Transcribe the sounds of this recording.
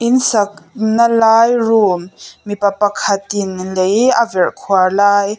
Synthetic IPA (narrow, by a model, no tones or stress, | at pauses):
ʔɪnsɐk̚nalaːjruːmːipɐpɐkʰɐt̪ɪnlejʔavɛrkʰuarlaːj